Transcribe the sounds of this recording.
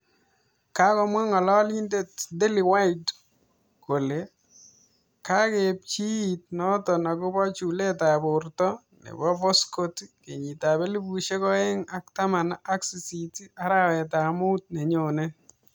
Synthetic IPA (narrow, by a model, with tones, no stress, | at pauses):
ka˦kɔ˨mwa˦ŋɔ˨lɔ˦li˦nde˦tde˦li˨wa˦id | ko˨le˨ | ka˦ke˨p̚t͡ʃiː˦˨t̚nɔ˦tɔ˨na˨kʊ˦bɔ˦t͡ʃu˨le˦ta˨bʊ˨rtɔ˦ | nḛ˨bɔ˦bɔ˦sko˦tke˨ɲi˨ta˨be˦li˦bu˨ʃe˦kɔ˦e˦ŋa˦k̚ta˦ma˨na˦ksi˨siti˦a˦ɾawɛ˨ta˨mu˦t̚ne˨ɲo˨ne˦